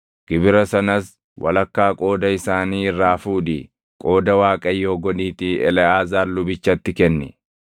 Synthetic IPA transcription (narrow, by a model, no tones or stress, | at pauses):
ɡ̥ɪbɪɾɐsɐnɐs | wʔɐ̰lɐkːaːkʼo̞ːd̪ɐɪsaːniːɪrːaːfuːᶑḭː | kʼo̞ːd̪ɐwaːkʼɐjːo̞ːɡɔᶑiːt̪iɛ̰lɛaːzaːɾlʊbɪt͡ʃːɐt̪ːɪkɛnːɛ